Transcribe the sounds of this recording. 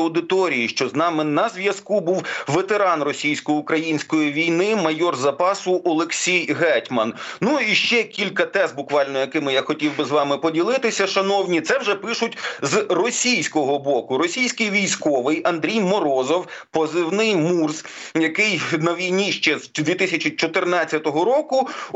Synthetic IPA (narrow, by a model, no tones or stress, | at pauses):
ɐwd̪ɪt̪ɔɾʲijiʃt͡ʃɔznɑmɪnɐzʋʲjɐskubuwʋet̪eɾɑnrɔsʲijsʲkɔjɪukɾɐjinʲsʲkɔjiʋʲijnɪmɐjɔrzɐpɑsʊʔɔlˠeksʲijɦɛtʲmɐnnuiʃt͡ʃɛkʲilʲkɐt̪ɛs̚bʊkʋɑlʲnɔjɐkɪmɪjaxɔtʲiwbɪzʋɑmɪpɔdʲilˠɪt̪ɪsʲɐʃɐnɔwnʲit̪sɛwʒɛpɪʃʊtʲzrɔsʲijsʲkɔɦɔbɔkʊɾɔsʲijsʲkɪjʋʲijsʲkɔʋɪjɐnd̪ɾʲijmɔɾɔzɔwpɔzɪwnɪjmurz | jɐkɪjnɐʋʲijnʲiʃt͡ʃɛzd̪ʲʋʲit̪ɪsʲɐt͡ʃit͡ʃɔt̪ɪrnɑt͡sʲːɐt̪ɔɦɔɾɔkʊ